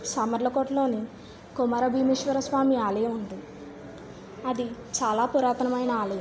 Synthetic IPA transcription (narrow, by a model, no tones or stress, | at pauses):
sɐmɐɾlɐkoʈlo̞ːni | kumɐɾɐbʱiːmeʃʋɐɾɐsʋaːmiaːleeund̪i | ɐd̪it͡ʃaːlaːpuɾaːt̪ɐnɐmɐjnɐaːlu